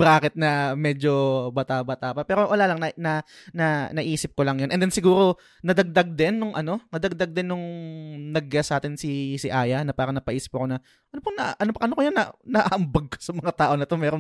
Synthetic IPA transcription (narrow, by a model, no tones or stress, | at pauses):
baːkɪt̪̚nɐmɛːd͡ʒo̞bɐt̪aːbɐt̪aːpɐpɛːɾo̞ʔɐlaːlɐŋnɐnɐnɐnɐʔiːsɪp̚kolɐŋjonʔɛnd̪ɛnsɪɡuːɾo̞ | nɐd̪ɐɡ̚d̪aɡ̚d̪ɛnːʊŋʔɐno̞nɐd̪ɐɡ̚d̪aɡ̚d̪ɛnːʊŋnɐɡasʔaːt̪ɪnsisɪʔaːjɐnɐpaːɾɐŋnɐpɐʔiːsɪ̥pɐko̞nɐ | ʔɐnopɐŋnɐʔɐnopɐʔɐnokojanːɐnɐʔaʔɐmbɐɡ̚ko̥sɐmɐŋat̪aːʔo̞nɐt̪omɛːɾoŋ